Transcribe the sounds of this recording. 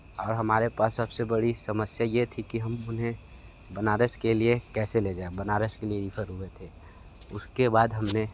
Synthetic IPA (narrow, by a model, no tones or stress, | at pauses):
ɔːɾɦɐmaːɾepaːsːəbsebəɽisəməsjajet̪ʰikiɦəmʊnɦẽ | bənaːɾeskeliekɛːseled͡ʒaːebənaːɾeskelienipʰəɾɦuet̪ʰe | ʊskebaːd̪ɦɐmne